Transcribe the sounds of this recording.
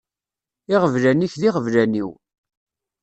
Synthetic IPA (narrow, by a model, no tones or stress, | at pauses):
ɪʁəvlæniçðiʁəvlæniw